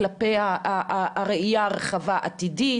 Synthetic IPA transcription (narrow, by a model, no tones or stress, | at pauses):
lapejaaʁeijaʁeχavaʔat̪idi